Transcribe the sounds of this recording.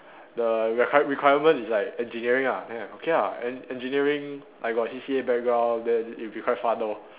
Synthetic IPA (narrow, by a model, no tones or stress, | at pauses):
dəɹikʰwajəɹikʰwajəmə̃nislaɪkɛ̃nd͡ʒiniəɹĩŋanɛ̃okʰeaɛ̃nɛ̃nd͡ʒiniəɹĩŋ | ʔa̰ɪkɔsisiebɛk̚ɡãdɛ̃ilbikʰwaɪtfat̚do